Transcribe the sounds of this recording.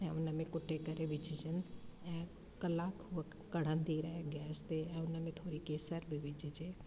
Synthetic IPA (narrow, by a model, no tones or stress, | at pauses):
ɛ̃ʊnəmẽkʊʈʰːekəɾeʋɪt͡ʃɪd͡ʒənɛ̃ | kəlaːkɦʊək | kəɽ̤ə̃nd̪iɾɛɡɛːst̪eɛ̃ʊnəmẽt̪ʰoːɾikeːsəɾbʱiʋɪt͡ʃd͡ʒeː